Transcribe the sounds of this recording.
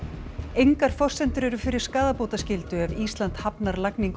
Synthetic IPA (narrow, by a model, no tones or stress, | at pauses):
ejŋkaɾ̥fɔr̥sɛnt̪ʏɾɛɾʏfɪɾɪɾ̥skaːðapoːwt̪ascɪlt̪ʏɛviːst̪lant̪hapnaɾlakniŋk